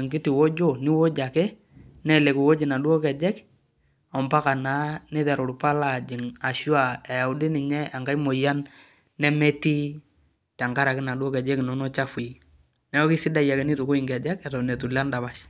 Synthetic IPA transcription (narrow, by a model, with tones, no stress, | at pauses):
ŋɡɪ˦tɪ˨wo˦d͡ʒo˦nɪ˦wo˦d͡ʒa˨kɛ˦ | nɛ˦˨le˨ku˨wo˦d͡ʒɪ˨na˨dwɔ˦kɛ˨d͡ʒɛ˦k | ɔ˨mpa˦ka˨na˨˦nɛ˦tɛ˨ɾʊ˨ɾpa˦la˨d͡ʒɪ˨ŋa˨ʃwa˨ɛ˨ja˨wdɪ˦nɪ˨ɲɛ˦a˨ŋɡa˦jmo˨ja˦nː | ɛ˦mɛ˦ti˦ | tɛ˨ŋɡa˦ɾa˨kɪ˦na˨dɔ˦kɛ˨d͡ʒɛ˦knɔ˦nɔ˦t͡ʃa˦fu˨i˦ | nɛ˦ɔ˦kɪ˦sɪ˦da˦ja˨kɛ˨˦nɪ˦tʊ˨kʊ˦ɪ˨ŋɡɛ˨d͡ʒɛ˦kɛ˨tɔ˨nɛ˨tu˨la˦nda˨ba˦ʃ